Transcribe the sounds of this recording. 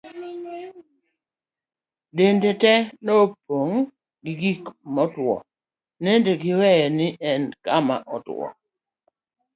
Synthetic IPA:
dendetɛnopoŋ | ɡɪɡikmɔtwɔ̰ | nendeɡɪwɛɛnɪʔɛnkama̰ʔɔtɔ̰

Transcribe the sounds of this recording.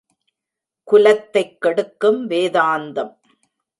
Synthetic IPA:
kʊlɐt̪ːɐɪkːɐɽɯkːɯmʋeːðaːnd̪ɐm

